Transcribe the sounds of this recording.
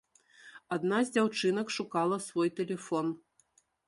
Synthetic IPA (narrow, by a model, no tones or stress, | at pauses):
ad̪nazʲd͡zʲawt͡ʂɨnɐkʂukalˠɐsvɔjt̪ɛlʲɛfɔn